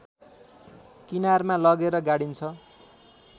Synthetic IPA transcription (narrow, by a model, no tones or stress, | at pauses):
kinarmãlʌɡeɾʌɡaɽint͡sʰʌ